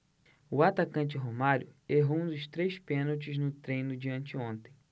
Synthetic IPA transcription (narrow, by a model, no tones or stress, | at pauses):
ʊat̪akɐ̃nt͡ʃɪɦomaɾjʊeɦõũd̪ʊst̪ɾejspẽnowt͡ʃɪznʊt̪ɾẽj̃nʊd͡ʒiɐ̃nt͡ʃɪõnt̪ẽ̥j̃